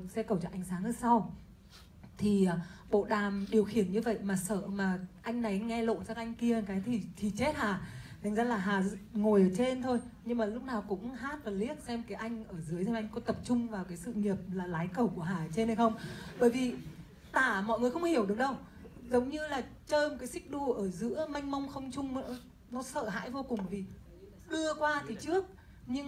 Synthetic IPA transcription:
sɛ˧kə˨˩wt͡ɕɔ˧˩ʔa˨˧jŋ̟saː˨˦ŋʔəː˧˩jsa˧w | t̪ʰi˨˩˨ɓo̰˧˨ɗaː˨˩mɗi˨˩əwxi˧˩ənɲɨ˧və̰˧˨jmaː˨˩sə̰ː˧˨maː˨˩ʔa˧jŋ̟na˨˩jŋɛ˧lo̰˧˨nsaː˧kʔjŋ̟ki˧ə˨kaː˨˦jt̪ʰi˨˩t̪ʰi˨˩t͡ɕe˦˥t̚haː˨˩t̪ʰa˨˩ŋ̟zaː˧laː˨˩ɦaː˨˩ŋo˨˩jʔəː˧˩t͡ɕe˧nt̪ʰo˧jɲɨ˧ŋmaː˨˩lʊ˦˥k͡p̚naː˨˩wkʊ̰˧˥ŋ͡mhaː˦˥t̚vaː˨˩li˦˥ət̚sɛ˧mkaː˨˦jʔa˧jŋ̟ʔəː˧˩zɨ˨˦əjzɛ˧ʔa˧jŋ̟kɔ˨˦t̪ə˨˩p̚t͡ɕʊ˧ŋ͡mvaː˨˩wkaː˨˦jsɨ̰˧˨ɲi˨˩əp̚laː˨˩laː˨˦jkə˧˩wku˧˩əɦaː˨˩t͡ɕe˧nhə˧jxə˧wŋ͡mɓəː˧˩jvi˨˩ | t̪aː˧˩mɔ̰˧˨jŋɨ˨˩əxə˧wŋ͡mhi˧˩əwɗɨ˨˩əŋɗə˧w | zə˨˦wŋ͡mɲɨ˧laː˨˩t͡ɕəː˧m˨kaː˨˦jsï˦˥k̟̚ɗu˧˩ʔəː˧˩zɨ̰˧˥əma˧jŋ̟ma˧wŋ͡mxə˧wŋ͡mt͡ɕʊ˧ŋ͡mɔ˧˨˦ | nɔ˨˦sə̰ː˧˨ɦa̰ː˧˥˨jvo˧kʊ˨˩ŋ͡mvi˨˩ | ɗɨ˧əkwaː˧t̪ʰi˨˩t͡ɕɨ˦˥ək̚ | ɲɨ˧ŋ

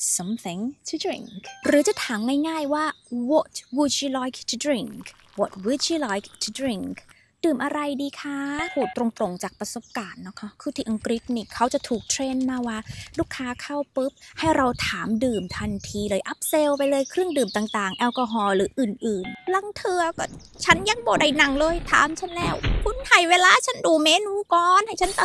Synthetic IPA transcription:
sa˧mθi˧˩ŋt̪ʰu˧dɾḭ˨˩ŋkɾɯː˩˦t͡ɕa˨˩t̪ʰaː˩˦mŋaː˥˩jŋaː˥˩jwaː˥˩wo˨˩t̪̚wuː˧˩t͡ɕi˧˥lɔː˧˦˥jk̚ʰt̪ʰu˧dɾi˧˩ŋk | wo˨˩t̪̚wiː˧˦t͡ɕi˧lɔː˦˥jkt̪ʰu˧˩dɾi˧˩ŋkʰ | dɯː˨˩mʔa˧ɾa˧jdiː˧kʰa˦˧˥huː˨˩t̪ːɾo˧ŋt̪ɾo˨˧˩ŋt͡ɕaː˨˩k̚pɾa˧so˨˧˦p̚kaː˨˩nːɔ˦˥kʰːa˦˥kʰɯː˧˩t̪ʰi˧ʔa˧ŋkɾi˦˥t̪̚niː˧˩kʰa˦˥wt͡ɕa˨˩t̪ʰuː˨˩k̚t̪ʰɾeː˧nmaː˧˥˩waː˧˥˩luː˥˩kʰːaː˦˥kʰa˥˩wpɯ˦˥p̚ha˥˩jɾa˧wt̪ʰaː˩˦mdɯː˨˩mt̪ʰa˧nt̪ʰiː˧lɤː˧jʔa˦˥p̚se˧wpa˧jlɤː˧jkʰɾɯ˥˩əŋdɯː˨˩mt̪aː˨˩ŋt̪aː˨˩ŋʔɛ˧wkɔː˧ɦɔː˧ɾɯː˩˦ʔɯː˨˩nʔɯː˨˩nla˧ŋt̪ʰɯ˧ɐkɔː˥˩ | t͡ɕʰa˦˥nja˧ŋbɔː˨˧˩da˧˩jna˨˩ŋlɤː˧˩jt̪ʰa̰ː˨˦mt͡ɕʰa˥˩nlɛː˧˥˩wkʰu˧˥nhaː˨˩jweː˧laː˧t͡ɕʰa˦˥nduː˧meː˧˥nuː˧kɔː˧˩nha˥˩jt͡ɕʰa˦˥nt̪a˨˩

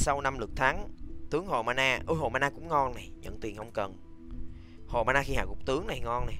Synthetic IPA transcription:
sa˧wna˧mlɨ˨˩k̚t̪ʰa˨˦ŋt̪ɨ˨˦əŋɦo˨˩maː˧naː˧ʔɨ˧ɦo˨˩maː˧naː˧kʊ̰˧˥ŋ͡mŋɔ˧nna˨˩jɲə̰˧˨nt̪wi˨˩ənhə˧wŋ͡mkə˨˩n | ho˨˩maː˧naː˧xi˧ha̰ː˧˨˩kʊ˨˩k͡p̚t̪ɨ˨˦əŋna˨˩jŋɔ˧nna˨˩j

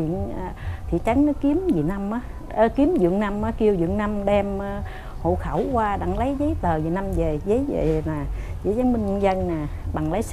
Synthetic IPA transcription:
ḭ˧˨ən˨˩t̪ʰḭ˧˨t͡ɕa˨˦jŋ̟nɔ˨˦ki˨˦əmzi˨˩na˧mʔaː˨˦ | ə˨˦ki˨˦əmzɨ̰˧˨əŋna˧mʔaː˨˦ki˧əwzɨ̰˧˨əŋna˧mɗɛ˧mː˧ | ho̰˧˨xə˧˩wkwaː˧ɗa̰˧˩ŋlə˨˦jzəː˨˦jt̪əː˨˩zi˨˩na˧mze˨˩zə˨˦jzḛ˧˩naː˨˩zə˨˦jzaː˨˦mmï˧ŋ̟˧ŋzə˧nnaː˨˩ɓa˨˩ŋlə˨˦j

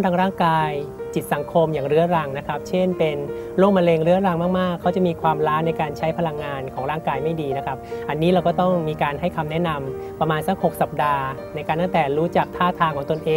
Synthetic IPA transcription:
nt̪ʰaː˧ŋɾaː˥˩ŋkaː˧j | t͡ɕi˨˩t̪̚sa˩˦ŋkʰo˧mjaː˨˩ŋɾɯ˦˥ɐɾa˧ŋna˦˥kʰa˦˥p̚t͡ɕʰe˥˩npe˧n | loː˥˩ŋma˧leː˧ŋɾɯ˦˥ɐɾa˧ŋmaː˥˩k̚maː˥˩kʰːa˦˥wt͡ɕa˨˩ʔmiː˧kʰwaː˧mɾaː˦˥n˧jkaː˧nt͡ɕʰa˦˥jpʰa˧la˧ŋːaː˧nkʰɔː˩˦ŋɾaː˥˩ŋkaː˧jma˥˩jdiː˧na˦˥kʰa˦˥p̚ʔa˧nːiː˦˥ɾaː˧kɔː˥˩t̪ɔ˥˩ŋmiː˧kaː˧nhɦa˥˩jkʰa˧mnɛ˦˥na˧m | pɾa˧maː˧nsa˦˥k̚ho˨˩k̚sa˨˩p̚daː˧ | na˧jkaː˧nt̪a˥ŋt̪ɛː˨˩ɾuː˦˥t͡ɕa˨˩k̚t̪ʰaː˥˩t̪ʰaː˧ŋkʰɔː˩˦ŋt̪o˧nʔeː˧

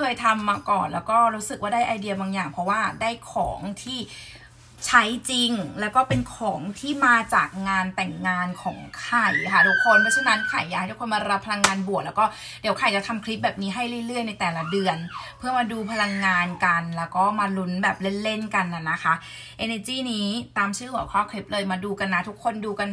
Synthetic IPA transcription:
kʰɤː˧jt̪ʰa˧mːaː˧kɔː˨˩nlɛː˦˥wkɔː˥˩ɾu˦˥sɯ˨k̚waː˥˩daː˥˩jʔaː˧jdi˧ɐbaː˧ŋjaː˨˩ŋpʰɾɔ˦˥waː˥˩daː˥˩jkʰɔ̰ː˩˦ŋt̪ʰiː˥˩ | t͡ɕʰa˦˥jt͡ɕi˧ŋlɛː˦˥wkɔː˥˩pe˧nkʰɔː˩˦ŋt̪ʰiː˥˩maː˧t͡ɕa̰ː˨˩k̚ŋaː˧nt̪ɛ˨˩ŋːaː˧nkʰɔ̰ː˩˦ŋkʰa˨˩jkʰa˥˩du˧˩kʰːo˧npʰɯ˦˥t͡ɕʰa˥˩na˦˥nkʰa˨˩˦jːaː˨˧˨a˥˩dkʰo˧maː˧ɾa˦˧pʰːa˧la˧ŋːaː˧nbu˨˩k̚lɛː˦˥kɔː˥˩ | di˨˩˦əwkʰa˨˩jt͡ɕa˨˩t̪ʰa˧mkʰli˦˥p̚bɛː˨˩p̚niː˦˥ɦa˥˩jlɯ˥˩jlɯ˥˩əjna˧jt̪ɛː˨˩la˦dɯ˧ənpʰɯ˥˩əmaː˧duː˧pʰa˧la˧ŋːaː˧nka˧nlɛː˦˥wkɔː˥˩maː˧lu˦˥nbɛː˨˩p̚le˥˩nle˥˩nka˧nːa˨˩nːa˦˥kʰa˦˥ | ʔeː˧neː˧t͡ɕiː˥˩niː˦˥t̪aː˧msʰɯː˥˩hu˨˩˦kʰɔː˥˩kʰli˦˥p̚lɤː˧jmaː˧duː˧ka˧nːa˦˥t̪ʰu˦˥kʰːo˧nduː˧ka˧n

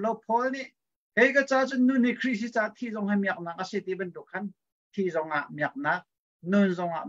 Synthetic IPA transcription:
lo˧wpʰɔ˦lni˨ʔ | hɛ˨jkat͡saː˧t͡su˥nːu˨nːi˨kʰɾi˥˨ʔs̬i˦t͡saː˧t̪ʰi˧˨zɔ˧˨ŋhamiɐk̚naː˧k̚ʔəsi˨t̪i˧˨bɐnt̪u˨kʰːɐ˦n | t̪ʰi˧˨zɔ˧ŋʔa˨ʔmiɐk̚naː˧k̚ | nunzɔ˧ŋa̰˨

